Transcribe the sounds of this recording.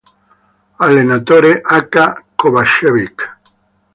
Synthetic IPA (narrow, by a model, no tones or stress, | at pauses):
alenat̪oɾeʔakakoβaʃeβik